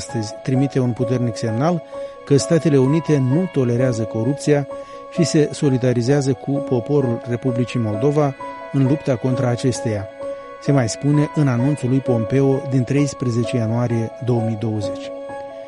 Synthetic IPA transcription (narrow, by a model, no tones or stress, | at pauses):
st̪əzʲt̪ɾimit̪e̞unput̪e̞rnikse̞mnalkəst̪at̪e̞le̞unit̪e̞nut̪o̞le̞ɾeazəko̞ɾup̚t̪sija | ʃise̞so̞lid̪aɾizeazəkʰupo̞po̞ɾulre̞publit͡ʃimo̞ld̪o̞va | ɨnlupt̪ako̞nt̪ɾaːt͡ʃe̞st̪e̞ja | se̞majspune̞ʔɨnanunt̪sulːujpo̞mpe̞o̞d̪int̪ɾe̞jspɾeze̞t͡ʃe̞januaɾije̞d̪o̞əmijd̪o̞wəze̞t͡ʃʲ